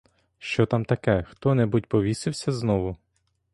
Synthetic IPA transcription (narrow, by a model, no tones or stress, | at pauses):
ʃt͡ʃɔt̪amt̪ɐkɛxt̪ɔnɛbut̚ʲpɔʋʲisɪwsʲɐznɔʋʊ